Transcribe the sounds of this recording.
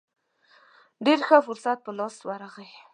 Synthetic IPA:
ɖeɾxafʊɾsat̪̚pəlɑswaɾaɣaj

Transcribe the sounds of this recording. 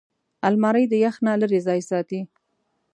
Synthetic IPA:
almɑɾəjd̪əjaxnaləɾezɑjsɑt̪i

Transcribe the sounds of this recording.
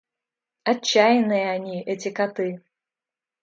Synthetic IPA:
at͡ɕːajɪnɨjɐanʲiʔɛt͡sʲɪkat̪ɨ

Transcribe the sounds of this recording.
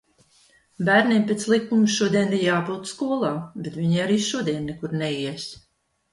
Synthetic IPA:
bæːɾnʲimpʲet̪slˠikːumʃuɔd̪iɛniɾjaːpuːt̪skuɔlˠaːbet̪vʲiɲiaɾiːʃuɔd̪iɛnːɛkuɾnɛiɛs

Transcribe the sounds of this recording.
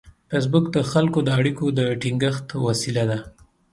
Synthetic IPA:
fes̬bʊkd̪əxalkod̪əaɽikod̪əʈiŋɡəxt̪wasilad̪a

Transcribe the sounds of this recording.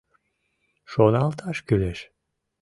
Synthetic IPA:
ʃonɑlˠt̪ʰɑʃkyleʃ

